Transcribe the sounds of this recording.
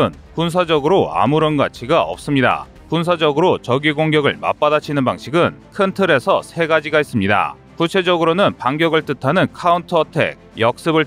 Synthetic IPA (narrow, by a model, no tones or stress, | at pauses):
ɯn | kuns̬ʰad͡ʑʌɡɯɾoa̰muɾʌnɡat͡ɕʰiɡaʌ̰p̚s͈ɯmɲida̰ | kuns̬ʰad͡ʑʌɡɯɾot͡ɕʌɡiɡoŋɡjʌɡɯɭma̰p͈adat͡ɕʰinɯnbaŋɕʰiɡɯnkʰɯntʰɯɾe̞sʰʌ̰sʰe̞ɡad͡ʑiɡais͈ɯmɲida̰ | kut͡ɕʰe̞d͡ʑʌɡɯɾonɯnpaŋɡjʌɡɯɭt͈ɯtʰanɯnkʰauntʰʌtʰe̞̰ɡ̚jʌk̚s͈ɯbɯɭ